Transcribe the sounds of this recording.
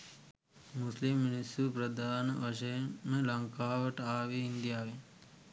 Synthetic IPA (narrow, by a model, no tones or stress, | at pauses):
muslimːinisupɾɐd̪ʱaːnʋɐʃɐjmẽlɐŋkaːʋəʈaːʋiind̪ijaːʋe